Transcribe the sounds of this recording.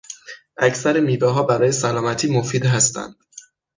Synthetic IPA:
ʔæcsæɾemiːvɛːɦɒːbæɾɒːjesælɒːmæt̪ʰiːmofiːd̪ɦæst̪ʰæ̰nd̪̥

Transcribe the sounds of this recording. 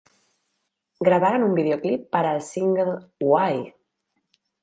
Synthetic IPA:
ɡɾəβaɾanumbiðeoklipːəɾalsiŋɡelwaj

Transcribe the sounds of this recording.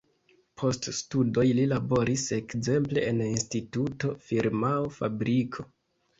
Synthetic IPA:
pʰo̞ststudo̞jlilabo̞ɾise̞kze̞mple̞ʔeninstituto̞fiɾmaofa̰bɾikʰo̞

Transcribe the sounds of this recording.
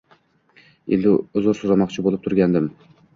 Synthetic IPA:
ɪ̰ld̪ɪʊzʊɾsʊzɾamɒqt͡ʃʰɪbolˠɪp̚t̪ʰʊɾɡʲand̪ɪm

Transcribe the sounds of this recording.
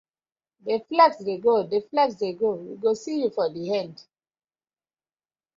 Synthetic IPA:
deflɛɡsdeɡodeflɛksdeɡowiɡosijufɔdihɛ̃nd

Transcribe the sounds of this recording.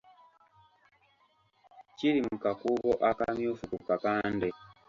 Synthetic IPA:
cilimukakuβɔʔaka̰mjufukukakandɛ

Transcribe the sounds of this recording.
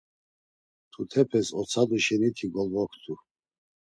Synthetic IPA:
t̪ʰut̪ʰɛpʰɛsɔt͡sʰad̪uʃɛnit̪ʰiɡɔlvɔkʰt̪ʰu

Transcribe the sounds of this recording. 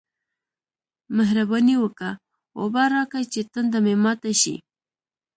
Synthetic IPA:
maɦɾabaniwəka | wo̰bɑɾɑkat͡ʃet̪ənd̪amemɑt̪aʃḭ

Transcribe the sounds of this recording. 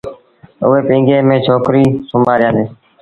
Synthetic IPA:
ʊ̰ʋeːpĩːŋɡeːmẽːt͡ʃʰoːkɾiːsʊmaːɾɪjãːneː

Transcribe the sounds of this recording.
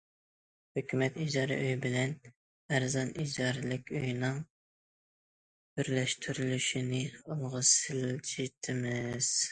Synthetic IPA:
høkʲymɛt̪id͡ʒɑɾɨ̰ʔøjbɪlɛn | æɾzɑnid͡ʒɑɾɨlɪkʲøjnɨŋ | byɾlɛʃt̪ʰyɾylyʃinɪolˠʁɑsɪld͡ʒʰit̪ʰɪmɪz̥

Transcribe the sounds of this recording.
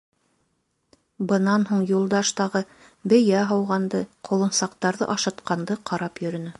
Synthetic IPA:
bɤ̆nɑnɦuɴjulˠd̪ɑʃt̪ɑʁɤ | bɘ̆jæɦɑwʁɑnd̪ɤqʰŏlˠɤ̆nsɑqt̪ɑɾðɤ̰ʔɑʃɑ̆t̪qɑnd̪ɤqʰɑɾɑpjɵ̆ɾɵ̆nɘ

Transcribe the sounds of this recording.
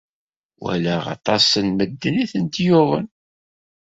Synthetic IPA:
wæ̰læʁɑ̰t̪ˤɑsənməd̪ːəniθənt̪joʁə̰n

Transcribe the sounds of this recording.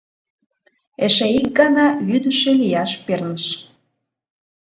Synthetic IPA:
eʃeik̚ɡɑnɑjyd̪əʃelijɑʃpernəʃ

